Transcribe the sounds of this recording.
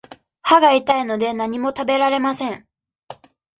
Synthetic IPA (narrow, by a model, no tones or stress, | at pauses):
haɡait̪aino̞d̪e̞naɲ̟imo̞t̪abe̞ɾaɾe̞masẽ̞ŋ